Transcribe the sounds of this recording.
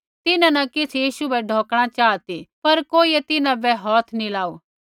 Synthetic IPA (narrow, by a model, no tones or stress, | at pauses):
t̪ɪnãnɐkɪt͡sʰjiːʃubɛɖʱɔ̃ːkɽ̃at͡ʃaːt̪ipɐɾkoːiet̪ɪnãbɛɦɔːt̪ʰnilaːuː